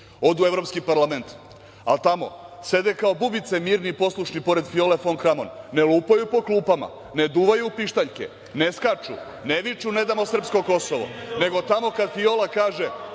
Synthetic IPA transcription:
o̞d̪ue̞ʋvɾo̞pskipaɾlame̞nt̪ | a̰lt̪amo̞̰se̞d̪e̞kao̞bubit̪se̞miːɾnipo̞slˠuʃnipo̞ɾe̞d̪fio̞le̞foŋkɾamo̞̰nːe̞lˠuːpajupo̞klˠuːpama̰ | ne̞d̪uːʋajuːpiʃt̪aʎkḛ | ne̞skat͡ʂṵ | neʋit͡ʃune̞d̪amo̞sr̩psko̞ko̞so̞ʋo̰ne̞ɡo̞t̪amo̞kad̪fiolakaːʒe

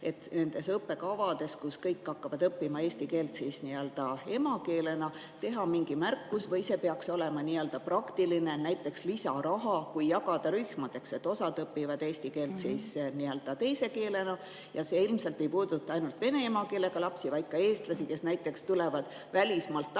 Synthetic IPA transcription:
e̞t̪ːne̞nd̪̥e̞sɤpːe̞kɑvɑd̪̥e̞skuskɤjkːɑkːɑvɑd̪ɤpːimɑe̞ːst̪ikeːlt̪seːsniøld̪̥ɑe̞mɑke̞ːle̞nɑ | t̪e̞ɦɑmiŋɡimærkːˑusvɤjse̞pe̞ɑkso̞le̞mɑniːøld̪ɑprɑkt̪iline̞næjt̪ːˑe̞kslisɑɾɑɦɑkujːɑɡɑd̪̥ɑɾyhmɑd̪̥e̞kse̞t̪ːˑo̞sɑd̪ɤpːivɑd̪e̞ːst̪ike̞ːlt̪siːsniø̞ld̪̥ɑt̪e̞jse̞ke̞ːle̞nɑ | jɑse̞ilmselt̪ːˑe̞jpuːd̪̥ut̪ˑːɑɑjnult̪ve̞ne̞emɑke̞ːle̞ɡ̥ɑlɑpsivɑjkːɑe̞ːst̪lɑsike̞snæjt̪ːˑe̞kst̪ulevɑd̪̥ | vælʲismɑlt̪ːˑ

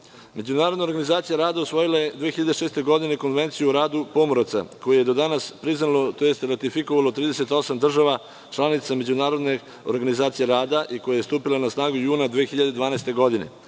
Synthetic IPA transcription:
me̞d͡ʑunaːɾo̞d̪naoɾɡanizaːt̪sijaɾaːd̪ausʋo̞jilaje̞d̪ʋeːxiʎad̪eʃeːst̪e̞ɡo̞d̪ineko̞nʋe̞nt̪sijuɾaːd̪upo̞moɾat̪sa̰ko̞jeje̞d̪o̞d̪anaspɾiznalot̪ojest̪ɾat̪ifiko̞ʋalo̞t̪ɾiːd̪e̞se̞t̪o̞samd̪r̩ʒaʋa | t͡ʃlˠanit̪same̞d͡ʑunaːɾo̞d̪ne | o̰ɾɡanizaːt̪sije̞ɾaːd̪aʔiko̞jaje̞st̪uːpilˠanasnaːɡujuːnad̪ʋeːxiʎad̪ed̪ʋaːnajst̪e̞ɡo̞d̪inḛ

